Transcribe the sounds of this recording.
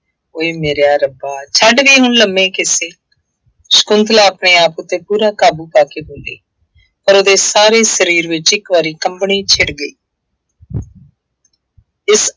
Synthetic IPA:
oːeːmeːɾjaːɾəbaːt͡ʃʰəɖʋiːɦʊnləmːẽːkɪseː | sə̥kʊnd̪laːəpɳeːaːpʊt̪ːeːpuːɾaːkaːbuːpaːkeːbʊ̃nd̪eː | pəɾoːd̪eːsaːɾeːsəɾiːɾʋɪt͡ʃɪkʋaːɾiːkəmpɳiːt͡ʃʰɪɽɡəiː | ɪs

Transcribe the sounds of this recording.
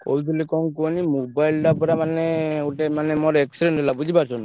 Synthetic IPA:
ko̰lsilikɔŋkonimobajlɖapɔɾamaneoʈemanemɔɾeksiɖeɳʈɦelabud͡ʒʱibaɾt͡ʃʰɔn

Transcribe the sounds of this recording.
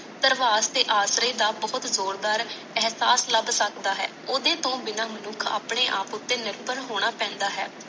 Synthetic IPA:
t̪əɾʋaːst̪eːʔaːsɾeːd̪aːbɔːt̪zoːɾd̪aːɾ | ɛɦsaːsləbsəkd̪aːɦɛ̰ːoːd̪eːt̪õːbɪnaːmənuːkʰa̰ːpɳeːʔa̰ːpʊt̪ːeːnɪɾpənɦoːɽ̃aːpɛ̃ːnd̪aːɦɛ̰ː

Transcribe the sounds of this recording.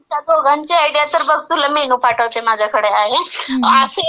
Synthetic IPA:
at̪oɡʱənt͡ɕeajɽijat̪əɾbəɡt̪ũləminũpʰaʈəʋt͡ɕemaːd͡ʑʱakʰəɽeaːɦease

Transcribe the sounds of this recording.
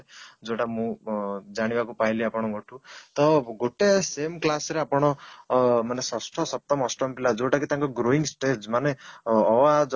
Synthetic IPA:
d͡zoʈamũd͡zaɽ̃ibakupaɦĩliapɔɽ̃ɔmoʈʰut̪ɔɡoʈesemklasɾeapɔɽ̃ɔ | manesʌsʈʰɔsʌp̚t̪ɔmɔsʈɔmpilad͡zowʈakit̪jãŋkoɡɾoiŋɡsʈed͡ʒmaneɔwad͡z

